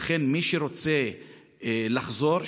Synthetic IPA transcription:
χe̞nmiʃeɾo̞t͡se̞ | laχzo̞ɾ

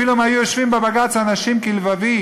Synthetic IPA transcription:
ilumaajujoʃvimbebaɡat͡saːnaʃimkilvavi

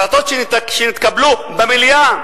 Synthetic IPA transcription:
lat̪ot̪ʃeʃenit̪kablubemilja

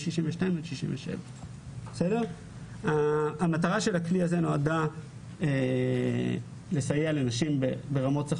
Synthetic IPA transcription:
ʃiʃimveʃnaimodʃiʃḭmveʃḛva | esedeʁ | aːmataʁaʃe̞lakliazeno̞ada | e | le̞sajeale̞naʃimbebe̞ʁamo̞tt͡sa

